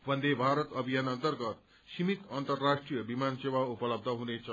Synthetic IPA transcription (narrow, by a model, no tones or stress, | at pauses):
bʱʌnd̪ebʱaɾət̪ʌbʱijanənt̪ərɡʌt̪̚ | ɕimit̪ənt̪ərːaʂʈɾijəbimanseʋaupəlʌb̚d̪ʱəɦunet͡sʌ